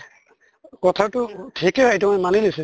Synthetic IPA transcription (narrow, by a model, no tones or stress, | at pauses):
kɔtʰatʊtʰikɛɦejtumɔjmanilisi